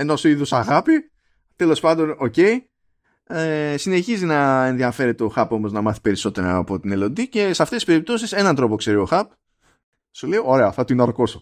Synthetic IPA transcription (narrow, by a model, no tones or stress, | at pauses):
e̞nosiðosɐɣɐpi | t̪e̞lo̞spɐnd̪o̞no̞ce̞i | esine̞çizinɐe̞nðiɐfe̞ɾe̞t̪eoxɐpo̞mo̞znɐmɐθi̥pe̞ɾiso̞t̪e̞ɾɐpo̞t̪ine̞lo̞nd̪ice̞sɐft̪esispe̞ɾip̚t̪o̞s̬ise̞nɐnt̪ɾo̞po̞kse̞ɾio̞xɐp | sule̞io̞ɾe̞ɐθɐt̪inɐɾko̞so